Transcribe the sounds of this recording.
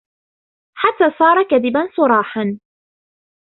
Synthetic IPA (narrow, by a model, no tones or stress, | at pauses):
ħat̪ːaːsˤɑːɾˤɑkaðɪbansˤʊɾˤɑːħan